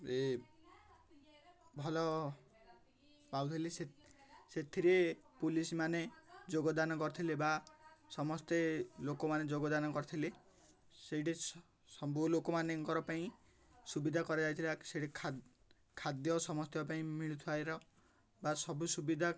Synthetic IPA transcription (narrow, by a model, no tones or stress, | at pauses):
e | bʱɔlɔ | bawt̪ʰileseset̪ʰiɾepulismaned͡ʒoɡɔd̪anɔkɔɾit̪ʰilebasɔmɔst̪elokɔmaned͡ʒoɡɔd̪anɔkɔɾit̪ʰile | seʈes | sɔbulokɔmaneŋkɔɾɔpaĩ | subid̪ʱakɔɾad͡ʒajt̪ʰilaseʈikʰ | kʰad̪jɔsɔmɔst̪jɔpaĩmiɭut̪ʰiajɾɔ | basɔbusubid̪ʱa